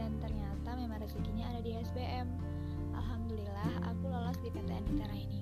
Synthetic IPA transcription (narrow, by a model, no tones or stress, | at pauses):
ant̪ərɲat̪amemaŋrəsikiɲaːdadiɛsbeʔɛm | ʔa̰lɦamd̪ulilaha̰kulolɔsdipɛt̪eanit̪aɾahini